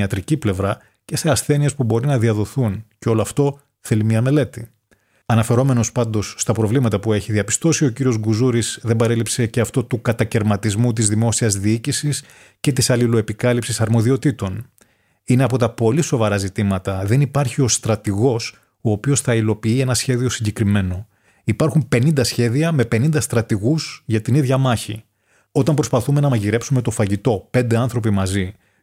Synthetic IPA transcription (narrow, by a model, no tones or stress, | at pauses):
ɐt̪ɾiciple̞vɾɐ | ce̞se̞ɐsθe̞niespubo̞ɾinɐðiɐðo̞θunceo̞loɐft̪o̞ | θe̞limɲiɐme̞le̞t̪i | ɐnɐfe̞ɾo̞me̞no̞spɐnd̪o̞sːt̪ɐpɾo̞vlimɐt̪ɐpue̞çiðiɐpi̥st̪o̞sio̞ciɾio̞zɡuzuɾisðembɐɾe̞lipse̞ce̞ɐft̪o̞t̪ukɐt̪ɐce̞ɾmɐt̪izmut̪̬izðimo̞siɐzðiicisis | ce̞t̪isɐlilo̞e̞pikɐlipsisɐɾmo̞ðio̞t̪it̪o̞n | ine̞ɐpo̞t̪ɐpo̞liso̞vɐɾɐzit̪imɐt̪ɐðe̞nipɐɾçio̞st̪ɾɐt̪iɣo̞s | o̞ːpio̞sθɐilo̞piie̞nɐsçe̞ðio̞siɲɟe̞kɾime̞no̞ | ipɐɾxumpe̞nind̪ɐsçe̞ðiɐme̞pe̞nind̪ɐst̪ɾɐt̪iɣuzʝɐt̪iniðʝɐmɐçi | o̞t̪ɐmpɾo̞spɐθume̞nɐmɐʝiɾe̞psume̞t̪o̞fɐʝit̪o̞pe̞nd̪e̞ɐnθɾo̞pimɐzi